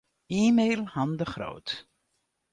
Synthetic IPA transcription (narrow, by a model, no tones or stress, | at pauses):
iːmejlˠhandəχro̰wt